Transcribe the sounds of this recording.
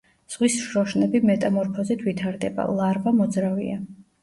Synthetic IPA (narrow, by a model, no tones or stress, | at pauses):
z̥ʁwisʃɾɔʃnɛbimɛt̪ʼamɔɾpʰɔzit̪ʰvit̪ʰaɾd̪ɛba̰lˠaɾvamɔd̪zɾavḭa